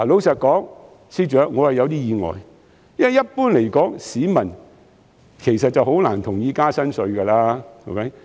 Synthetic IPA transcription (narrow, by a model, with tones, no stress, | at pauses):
a˨˩lo˨˥wsɐ˨t̚kɔː˨˥ŋ | siː˧˥t͡ʃœː˨˥k̚ŋɔː˨˧hɐ˨jɐ˧wt̪iː˥jiː˨ŋɔ̰ː˨j | jɐ˥n˨jːɐ˥t̚puː˥nle˨˩jkɔː˨˥ŋsiː˨˥mɐ˨˩n | kʰe˨˩jsɐ˨t̚t͡sɐ˨who˨˥wlaː˨˩nt̪ʰʊ˨˩ŋjiː˨˧kaː˥sɐ˥nsɵ˨˧ɥkɐ˧laː˥o̰˧˥ke˨˦˥j